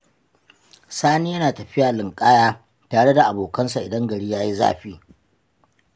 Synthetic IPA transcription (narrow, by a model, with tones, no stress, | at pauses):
saː˦niː˦jɐ˦naː˨tɐ˨ɸɪ˦jaː˨lɪ˨ŋkʼaː˦jaː˦ | taː˨ɽe˦da˨ʔa˨boː˨kɐ˦nsa˨ʔɪ˨dɐ˦ŋɡɐ˨ɽiː˦jaː˦ji˦za̰ː˦˨ɸiː˦